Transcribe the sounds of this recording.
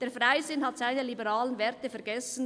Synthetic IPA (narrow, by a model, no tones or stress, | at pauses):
d̥eːɐfʁaɪzɪnhɑtz̥aɪnəlibəʁɑːlənvɛɐtəfɛɐɡɛsn̩